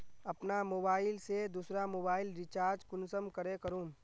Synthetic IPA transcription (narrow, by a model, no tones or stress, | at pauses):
ɐpnamoːbaːɪlsed̪usɾamoːbaːɪlɾɪt͡ʃaːɾd͡ʒkʊnsəmkəɾekəɾũː